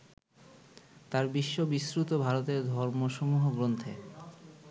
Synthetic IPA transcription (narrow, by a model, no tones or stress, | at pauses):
t̪aɾbiʃːobisɾut̪obʱaɾot̪eɾd̪ʱɔɾmoʃomuɦoɡɾont̪ʰe